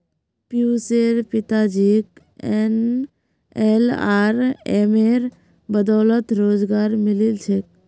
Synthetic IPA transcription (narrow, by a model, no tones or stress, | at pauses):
pjuseɾpɪt̪ad͡ʒik | en | elaɾḛmeɾ | bəd̪ɔːlət̪ɾoːd͡ʒɡaːɾmɪlilt͡ʃʰek̚